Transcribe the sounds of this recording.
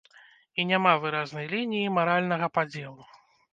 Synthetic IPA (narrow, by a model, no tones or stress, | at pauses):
inʲamavɨɾaznɐjlʲinʲijimaɾalʲnɐɣɐpad͡zʲelˠu